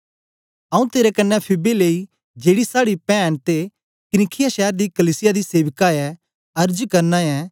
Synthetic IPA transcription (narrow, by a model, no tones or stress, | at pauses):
ɐũt̪eːɾɛkɐnːɛpʰɪbeleːi | d͡ʒeːɽisaːɽipɛ̃ːñt̪e | kɪnɪkʰɪjaʃɛːɾd̪ikɐliːsɪjad̪iseːʋkaɛ | ɐɾd͡ʒkɐɾnãɛ